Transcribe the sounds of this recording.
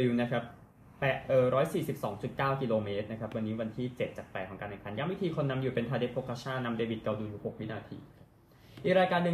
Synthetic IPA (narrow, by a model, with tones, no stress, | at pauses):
uː˨˩na˦˥kʰa˦˥p̚ː | ɛ˨˩ʔʔɤː˨˩ɾɔː˦˥jsiː˨˩si˨˩p̚sɔ̰ː˩˦ŋt͡ɕu˨˩t̪̚kaː˥˩wki˧loː˧meː˦˥t̪̚na˦˥kʰa˦˥p̚wa˧nːiː˦˥wa˧nt̪ʰiː˥˩t͡ɕe˨˩t̪̚t͡ɕa˨˩k̚pɛː˨˩kʰːɔ˩˦kaː˧nːɯ˨˩pʰa˧njaː˧˥mwi˦˥t̪ʰiː˧kʰo˧nːa˧mjuː˨˩pe˧nt̪ʰaː˧de˦˥pʰoː˦˥kʰa˧˥t͡ɕʰa˥˩nːa˧mdeː˧wi˨˩t̪̚ka˧wdu˧juː˨˩ho˨˩k̚wi˦˥naː˧t̪ʰḭː˧ | ʔiː˨˩k̚ɾaː˧jkaː˧nːlɯ˧